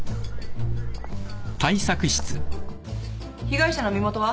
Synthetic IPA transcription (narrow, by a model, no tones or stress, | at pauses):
t̪ʰaisakɯ̟ɕi̥t͡sɨ | çiɡaiɕano̞mʲimo̞t̪o̞βa